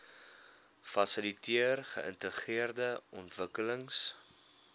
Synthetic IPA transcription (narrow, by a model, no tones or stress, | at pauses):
fɐsəlitiərχəʔə̰ntəχiərdəʔɔntvəkələŋs